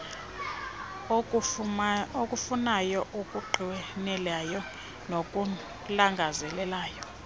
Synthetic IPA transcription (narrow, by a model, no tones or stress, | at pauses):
okʼufunajɔʔukʼuɡ͡ǃʱiwɛnɛlajɔ | nokʼu | laŋɡʱazɛlɛlaːjɔ